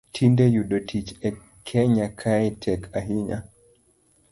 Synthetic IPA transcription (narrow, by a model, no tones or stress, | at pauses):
tʰindejuɗotʰit͡ʃɛ | kʰɛɲakʰaɛtʰɛkʰaɦiɲa̰